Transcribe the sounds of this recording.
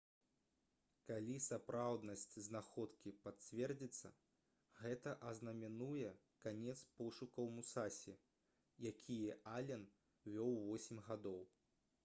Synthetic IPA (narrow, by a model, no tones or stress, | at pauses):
kalʲisapɾawd̪nɐsʲt͡sʲznaxɔt̪kʲipat͡sʲvʲɛrd͡zʲit̪sːɐ̰ | ɣɛt̪ɐʔɐznɐmʲɛnujɛ | kanʲɛt̪spɔʂukɐwmusasʲi | jakʲʰijɛʔalʲɛn | vʲɔwvɔsʲimʲɣad̪ɔw